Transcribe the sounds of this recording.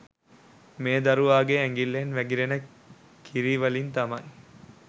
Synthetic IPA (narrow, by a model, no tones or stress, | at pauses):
meːd̪ɐɾuʋaːɡeæŋɡilːenʋæɡiɾenɐ | kʰːiɾiːʋɐlint̪ɐmɐji